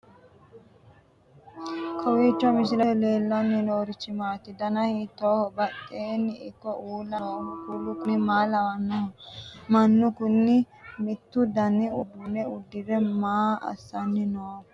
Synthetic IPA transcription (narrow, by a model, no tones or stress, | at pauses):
kʰɐwiːt͡ʃːɔmɪs̬ɪlɛleːlːɐnːɪnoːɾɪt͡ʃːɪmaːt̪ɪd̪ɐnɐhit̪ːoːbɐtʼːeːnːɪɪkːɔʔuːlːɐoːkulːʊkʊnɪmaːlɐwɐnːɔmɐnːʊkʊnːɪ | mɪt̪ːʊd̪ɐnːɪʊd̪ʊnɛʊd̪ːɪɾɛmaːɐ̰sːɐnːɪnoː